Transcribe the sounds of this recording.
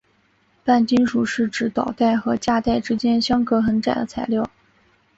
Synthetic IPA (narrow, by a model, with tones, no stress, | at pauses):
pa˥˩nt͡ɕi˥nʂu˨˩ʂɻ̩˥˩ʈ͡ʂɻ̩˧˥t̪ɑ˨˩ʊt̪a˥˩ɪxɤ˧˥t͡ɕja˥˧t̪a˥˩ɪʈ͡ʂɻ̩˥t͡ɕjɛ˥nɕjɑ˥ŋkɤ˧˥xə˧˥nʈ͡ʂa̰˨˩d̪ə˦t͡sʰa˧˥ɪljɑ˥˩ʊ